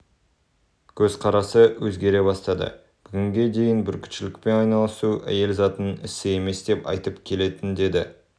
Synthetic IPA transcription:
kʲʰɵz̥qʰɑɾɑsəwɵzɡʲe̞ɾe̞bɑst̪ɑd̪ə̰ | b̥ʏɡʲɪŋɡʲe̞d̪e̞jɪnbʏɾkʲʰɪ̥t̪ʃɪlɪk̚pe̞nɑjnɑlˠəsuʔæ̰je̞lzɑt̪ənɪsɪe̞me̞sd̪e̞pɑ̰jt̪əpkʲʰe̞le̞t̪ɪnd̪e̞d̪ɪ

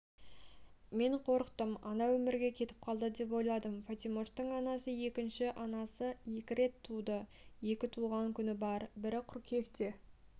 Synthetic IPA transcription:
me̞ɴqʰo̞ɾəqt̪əmɑ̰nɑwɵmɪɾɡʲe̞kʲʰe̞t̪ɪ̥p̚qʰɑlˠd̪əd̪e̞p̬wo̞jlˠɑd̪əmfat̪ʲimost̪əɴɑnɑsəje̞kʲɪnʃɪʔɑnɑsəje̞kʲɪɾe̞t̪ʰːud̪ə | je̞kʲɪt̪ʰuʁɑŋkʲʰʏnɪbɑɾbɪɾɪqʰːʊɾkʲʰe̞kt̪e̞

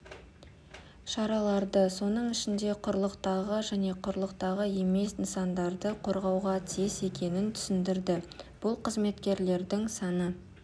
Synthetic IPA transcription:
ʃɑɾɑlˠɑɾd̪əso̞nəɴɪʃɪnd̪e̞qʰʊɾlˠəqt̪ɑʁəʒæne̞qʰʊɾlˠəqt̪ɑʁəe̞me̞snəsɑnd̪ɑɾd̪əqʰo̞ɾʁɑwʁɑt̪ʰise̞kʲe̞nɪnt̪ʰʏ̥sɪnd̪ɪɾd̪ɪb̥ʊlˠqʰəzme̞t̪kʲe̞ɾle̞ɾd̪ɪŋsɑnə

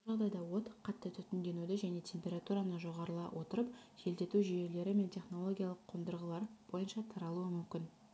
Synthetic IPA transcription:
ʒɑʁd̪ɑjd̪ɑwo̞t̪qʰɑt̪ːət̪ʰʏt̪ɪnd̪e̞nud̪ɪʒæne̞t̪ʲʰe̞mpʲe̞ɾat̪uɾanəʒo̞ʁɑɾəlˠɑwʔo̞t̪əɾəp̚ʒ̥e̞ld̪e̞t̪uʒʏje̞le̞ɾɪme̞nt̪ʲʰe̞χno̞lˠo̞ɡʲijɑlˠəqʰːond̪əɾʁəlˠɑɾb̥o̞jənʃɑt̪ʰɑɾɑlˠuəmʏmkʲɪn

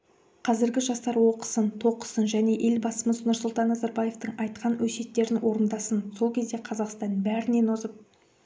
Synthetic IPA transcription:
qʰɑzɪɾɡʲɪʒɑst̪ɑɾwo̞qə̥sənt̪ʰo̞qə̥sənʒæne̞ʔe̞lbɑsəməsənʊɾsʊlˠt̪ɑnːɑzɑɾbɑje̞ft̪əɴɑjt̪qʰɑnwɵse̞t̪ːe̞ɾɪnwʔo̞ɾənd̪ɑsənso̞lˠkʲʰe̞zd̪e̞qʰɑzɑqst̪ɑnbæɾɪne̞nozəp̚

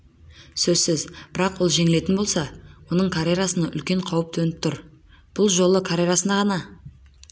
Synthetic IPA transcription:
sɵzsɪzbɪɾɑqwo̞lˠʒe̞ŋɪle̞t̪ɪnbo̞lˠsɑwo̞nəɴkʰaɾʲeɾasənɑʔʏlkʲe̞ɴqʰɑwəp̚t̪ʰɵnɪp̚t̪ʰʊɾ | b̥ʊlˠʒo̞lˠəkʰaɾʲeɾasənd̪ɑʁɑnɑ

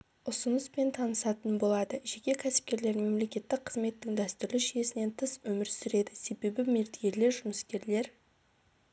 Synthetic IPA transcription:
ʊsʊnəspe̞nt̪ʰɑnəsɑt̪ənbo̞lˠɑd̪əʒekʲe̞kʲʰæsɪ̥p̚kʲe̞ɾle̞ɾme̞mle̞kʲe̞t̪ːɪk̚qʰəzme̞t̪ːɪŋd̪æst̪ʏɾlɪʃije̞sɪne̞nt̪ʰəswɵmɪɾsʏɾe̞d̪ɪse̞be̞bɪmeɾt̪eɡʲeɾle̞ɾʒʊməskʲe̞ɾle̞ɾ

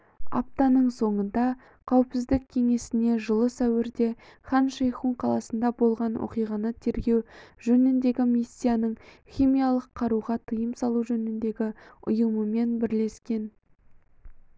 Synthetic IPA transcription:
ɑ̰p̚t̪ɑnəɴso̞ɴənd̪ɑ | qʰɑwɪpsɪzd̪ɪk̚ʲʰe̞ŋe̞sɪne̞ʒəlˠəsæwɪɾd̪e̞χɑnʃejχuɴqʰɑlˠɑsənd̪ɑbo̞lˠʁɑnwʔo̰qijʁɑnət̪ʰe̞ɾɡʲe̞wʒɵnɪnd̪e̞ɡʲɪmisːijanəɴ | χʲimijalˠəqʰːɑɾuʁɑt̪ʰəjəmsɑlˠuʒɵnɪnd̪e̞ɡʲɪʊ̰jəməme̞nbɪɾle̞skʲe̞n

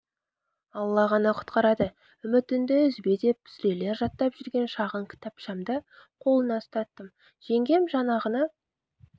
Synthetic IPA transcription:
ɑlˠːɑʁɑnɑqʰʊ̥t̪qɑɾɑd̪ə | ʏmɪt̪ɪnd̪ɪʏzbe̞d̪e̞p̚pʰɪ̥zɾe̞le̞ɾʒɑt̪ːɑpʒʏɾɡʲe̞nʃɑʁəɴkʲʰɪ̥t̪ɑpʃɑmd̪əqʰo̞lˠənɑst̪ɑt̪ːəm | ʒ̥e̞ŋɡʲe̞mʒɑnɑʁənɑ

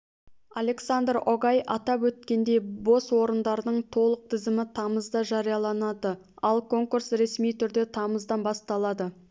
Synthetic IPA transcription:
ale̞ksand̪roɡɑjʔɑt̪ɑpwɵt̪̚kʲe̞nd̪e̞jbo̞swo̞ɾənd̪ɑɾənəɴt̪ʰo̞lˠəq̚t̪ʰɪzɪmɪt̪ʰɑməzd̪ɑʒɑɾijɑlˠɑnɑd̪ə | ɑlˠkʰo̞ŋkursɾe̞smijt̪ʰʏɾd̪e̞t̪ʰɑməzd̪ɑnbɑst̪ɑlˠɑd̪ə

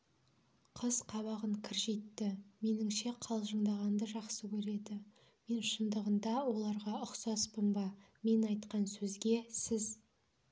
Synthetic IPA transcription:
qʰəzqʰɑβɑʁəŋkʲʰɪɾʒe̞t̪ːɪme̞nɪŋʃe̞qʰɑlˠʒəɴd̪ɑʁɑnd̪əʒɑqsəkʲʰɵɾe̞d̪ɪ | me̞nʃənd̪əʁənd̪ɑwo̞lˠɑɾʁɑʊqsɑspəmbɑ | me̞nɑjt̪qɑnsɵzɡʲe̞sɪz

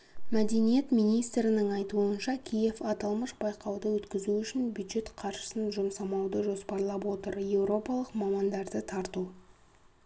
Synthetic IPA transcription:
mæd̪e̞nije̞t̪mijnijst̪ɾɪnɪŋɑjt̪uənʃɑkʲʰije̞fɑt̪ɑlˠməʃbɑjqɑwd̪əwɵt̪kʲɪzuʏʃɪnbʲjud̪ʒe̞t̪qʰɑɾʃə̥sənʒʊmsɑmɑwd̪əʒo̞spɑɾlˠɑpwo̞t̪əɾje̞wɾo̞pɑlˠəqmɑmɑnd̪ɑɾd̪ət̪ʰɑɾt̪u

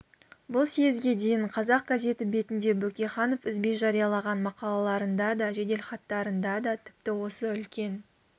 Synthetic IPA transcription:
bʊlˠsejɪzɡʲe̞d̪e̞jɪɴqʰɑzɑq̚ɡaze̞t̪ɪbe̞t̪ɪnd̪e̞bɵkʲe̞χɑno̞fɪzbe̞ʒɑɾijɑlˠɑʁɑnmɑqɑlˠɑlˠɑɾənd̪ɑd̪ɑʒe̞d̪e̞lχɑt̪ːɑɾənd̪ɑd̪ɑt̪ʰɪ̥p̚t̪ɪwo̞səʏlkʲe̞n

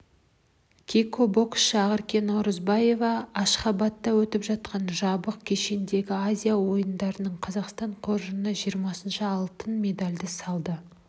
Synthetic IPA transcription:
kʲʰikobo̞ksʃɑʁəɾkʲe̞noɾəzbɑje̞vɑːʃχɑbɑt̪ːɑwɵt̪ɪpʒɑt̪̚qɑnʒɑbəqkʲʰe̞ʃend̪e̞ɡʲɪazʲijawo̞jənd̪ɑɾənəɴqʰɑzɑqst̪ɑɴqʰo̞ɾʒənəʒijəɾmɑsənʃəɑlˠt̪ənmʲe̞d̪alʲd̪ɪsɑlˠd̪ə

